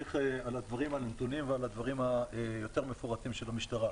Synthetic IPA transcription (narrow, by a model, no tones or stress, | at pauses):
iχealad̪vaʁimhannt̪unimvealad̪vaʁimhaejo̞t̪e̞ʁmefoʁat̪imʃelamiʃt̪aʁa